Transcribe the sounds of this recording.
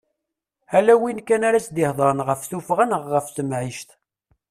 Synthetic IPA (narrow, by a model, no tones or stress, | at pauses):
hælæwinkːænaɾæsd̪ɪhðˤəɾˤənʁəfθufʁanəʁːəfθəmʕiʃt̪